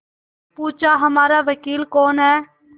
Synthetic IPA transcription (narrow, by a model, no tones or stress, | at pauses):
puːt͡ʃaːɦəmaːɾaːʋəkiːlkoːnɦɛː